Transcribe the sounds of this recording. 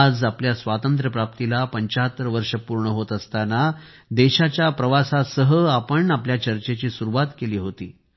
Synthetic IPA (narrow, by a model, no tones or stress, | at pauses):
ad͡zapljasʋat̪ənt̪ɾəpɾap̚t̪ilapəɲt͡ɕaɦət̪ɾəʋəɾʂəpuɾɳəɦot̪əst̪ana | d̪eɕat͡ɕjapɾəʋasasəɦəapəɳapljat͡ɕəɾt͡ɕet͡ɕiːsuɾuʋat̪keliːɦot̪iː